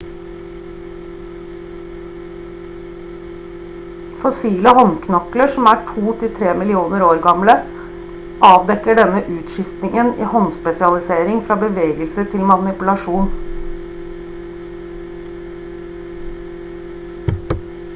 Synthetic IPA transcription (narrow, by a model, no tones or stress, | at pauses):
fɔsiːləhɔnkʰnɔkləʂɔmæːʈʰuːt̪ʰɪt̪ʰɾeːmɪlɪuːnəɾoːɾɡɑmlə | ʔɑːʋd̪ɛkːəɖɛnəʔʉːt̪ʃɪft̪nɪŋənḭːhɔnspɛsɪɑlɪseːɾɪŋfɾɑːbəʋeːɡəlsət̪ʰɪlmɑnɪpʉlɑʂuːn